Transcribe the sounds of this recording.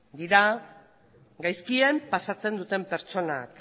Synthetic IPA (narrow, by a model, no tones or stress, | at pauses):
d̪iɾa | ɡajskie̞mpasat͡se̞nd̪ut̪e̞mpe̞ɾt͡ʃo̞nak